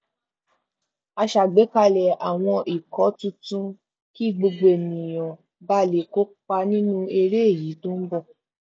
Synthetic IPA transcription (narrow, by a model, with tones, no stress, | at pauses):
a˧ʃa˨ɡ͡be˨˦ka˧lɛ˨a˨w̃ɔ̃˧ʔi˨kɔ˨˦tũ˧tũ˦ | ki˦i˦˨ɡ͡bo˧ɡ͡be˨nĩ˨j̃ɔ̃˨ | ba˦˨le˨˦ko˦k͡pa˧nĩ˦nũ˦e˧ɾe˦e˦˨ji˨˦tũ˦m̩˦bɔ˦˨